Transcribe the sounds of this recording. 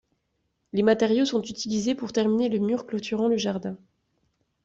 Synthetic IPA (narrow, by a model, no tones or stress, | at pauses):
lemat̪ɛʁjosɔ̃t̪yt̪ilizepuʁt̪ɛʁmineləmyʁklot̪ʰyʁɑ̃ləʒaʁd̪ɛ̃